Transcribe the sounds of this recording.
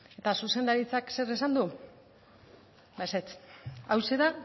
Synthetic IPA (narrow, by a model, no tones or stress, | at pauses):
e̞t̪asuse̞nd̪aɾit͡sakse̞ɾesand̪u | baset͡sawseða